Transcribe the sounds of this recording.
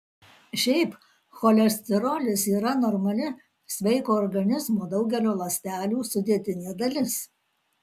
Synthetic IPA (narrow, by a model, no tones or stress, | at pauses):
ʃʲɛɪp | xɔːlʲɛsʲt̪ʲɛɾoːlʲɪsiːɾɐnɔɾmɐlʲɪ | sʲʋʲɛɪkoːɔɾɡɐnʲɪzmoːd̪ɒʊɡʲɛlʲoːlˠɐsʲt̪ʲæːlʲuːsʊd̪ʲiɛt̪ʲɪnʲeːd̪ɐlʲɪs